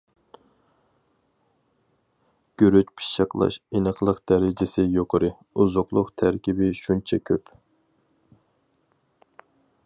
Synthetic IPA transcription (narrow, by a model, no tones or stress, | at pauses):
ɡ̥ʲøɾyt͡ʃpʰi̥ʃɑqlˠɑ̰ʃinəqlˠəqd̪̥ɛɾɪd͡ʒɪsɪjoqʰəɾɨ | uzʊqlˠʊqt̪ʰæɾkʲibɪʃunt͡ʃʰɛkʲʰøp